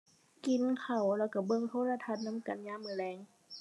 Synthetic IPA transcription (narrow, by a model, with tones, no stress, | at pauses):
ki˨˦nkʰa˨˩wlɛː˧˩wka˧˩bɤ˧˨ŋt̪ʰoː˧˥˨la˧t̪ʰa˧˩t̪̚na˧˥˨mka˨nɲaː˧˥˨mːɯː˧˦lɛː˧˩ŋ